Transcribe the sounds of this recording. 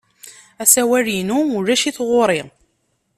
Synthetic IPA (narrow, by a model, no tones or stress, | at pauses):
æsæwæɾinuʊɾæʃiθʁʊɾˤi